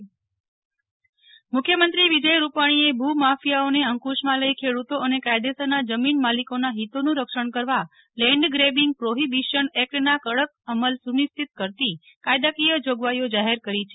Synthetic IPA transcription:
mʊkʰjəmənt̪ɾiʋid͡ʒəjɾupaɽ̃iebʱumafijaoneəŋkuʃmãləikʰeɽut̪oənekajd̪esənad͡ʒəminmalikonaɦit̪onũɾəkʃəɳ̃kəɾʋa | lɛ̃ɳɖɡɾebiŋɡ̚pɾoɦibiʃənɛk̚ʈnakəɭək̚əməlsunist̪ʰit̪̚kəɾt̪i | kajd̪akijəd͡ʒoɡʋajod͡ʒaɦeɾkəɾit͡ʃʰe

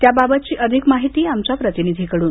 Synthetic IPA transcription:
t̪jababət̪̚t͡ɕiːʔəd̪ʱikmaɦit̪iːamt͡ɕapɾət̪inid̪ʱikəɽuːn

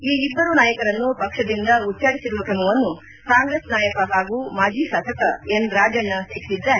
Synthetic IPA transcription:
iːibːɐɾunaːjɐkɐɾɐnːupɐkʂɐd̪ind̪ɐut͡ʃːt͡ʃaːɽisiɾuʋɐkɾɐmuʋɐnːu | kaːŋɡɾeːsnaːjɐkɐɦaːɡumaːd͡ʒiːsɐt̪ʰɐkɐenɾaːd͡ʒɐnːɐseːki̥sid̪ːaːɾe

